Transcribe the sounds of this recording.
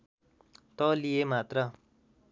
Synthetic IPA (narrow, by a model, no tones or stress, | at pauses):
t̪ʌlijemat̪rʌ